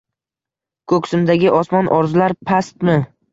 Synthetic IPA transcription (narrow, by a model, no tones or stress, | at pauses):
kʰɵkʲsɪmd̪aɡʲɪʔɒsmɒnʔɒɾzʊlaɾpʰast̪mɪ